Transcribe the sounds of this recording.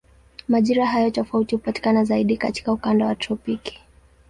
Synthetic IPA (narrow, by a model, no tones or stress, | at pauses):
maʄiɾaɦajɔtɔfautihupati̥kanazaiɗikati̥kaukandawatɾɔpiki̥